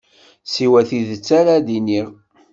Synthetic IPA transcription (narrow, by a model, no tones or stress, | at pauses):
siwæθiðət͡sːaɾaðiniʁ